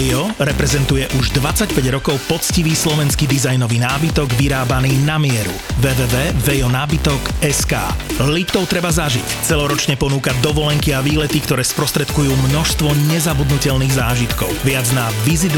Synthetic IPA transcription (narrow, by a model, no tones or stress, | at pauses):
ɔɾɛpɾɛzɛnt̪ujɛʔuʒd̪ʋat͡sːacpɛɟɾɔkɔʊpɔt͡sciʋiːslɔʋɛnskid̪izajnɔʋiːnaːbit̪ɔɡʋiɾaːbaniːnamɪɛɾṵ | ʋɛːʋɛːʋɛːvɛjɔnaːbit̪ɔkɛska̰ːlipt̪ɔʊt̪ɾɛbazaʒḭct͡sɛlɔɾɔt͡ʃɲɛpɔnuːkad̪ɔʋɔlɛŋkiaʋiːlɛt̪ikt̪ɔɾɛːspɾɔst̪ɾɛt̪kujuːmnɔʃst̪ʋɔɲɛzabud̪nucɛlniːɣzaːʒit̪kɔ̰ʊʋɪad͡zna | ʋizid̪